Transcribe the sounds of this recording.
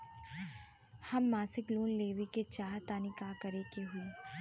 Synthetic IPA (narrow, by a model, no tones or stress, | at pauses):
hɐmːaːsɪkluːnleːʋiket͡ʃaːɦt̪aːnikaːkɐɾekeɦue